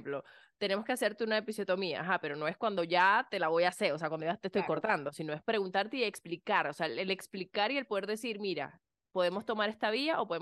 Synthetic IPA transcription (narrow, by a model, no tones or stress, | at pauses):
plo̞ | t̪ene̞moske̞aseɾt̪eunaepisjo̞t̪o̞mia̰ʔaɦape̞ɾo̞no̞e̞skwand̪oʝat̪e̞laβo̞jase̞ɾo̞se̞akwand̪oat̪e̞st̪o̞jko̞ɾt̪and̪o̞sino̞e̞spɾe̞ɣunt̪aɾt̪eie̞ksplikaɾoseaele̞ksplikaɾie̞lpo̞ð̞e̞ɾðe̞siɾmiɾa̰ | po̞ðe̞mo̞st̪o̞maɾe̞st̪aβ̞iaʔo̞po̞ðe